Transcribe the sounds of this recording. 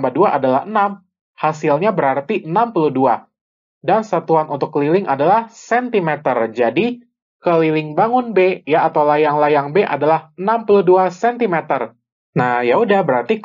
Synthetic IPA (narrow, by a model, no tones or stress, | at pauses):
mbaduaʔadalahənam | hasilɲabəɾart̪iənampuludua | dansat̪uanʔunt̪ʊkːəlilɪŋʔadalahsɛnt̪imɛt̪ərd͡ʒadi | kəlilɪŋbaŋʊnbejaːt̪awlajaŋlajaŋbeʔa̰dalahənampuluduasɛnt̪imet̪ər | najaɦudabəɾart̪i